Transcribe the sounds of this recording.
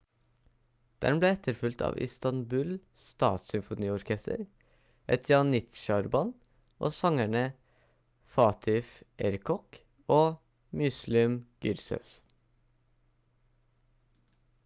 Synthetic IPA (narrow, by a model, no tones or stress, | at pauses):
d̪̥ɛ̰nbleːɛt̪ʰəɾfʉlt̪ʰɑ̰ːʋʔɪ̰st̪ɑnbʉːl | st̪ɑ̰ːt̪sʏmfʊniːɔɾkʰɛst̪ə̰ɾ | ʔɛt̪ʰjɑːnːɪt̪ʃɑɾbɑn | ʔo̰ːsɑŋæɳə | fɑːt̪ʰɪfʔɛɾkʰɔk | oː | mʏslɪmɡ̥ʏɾsə̰s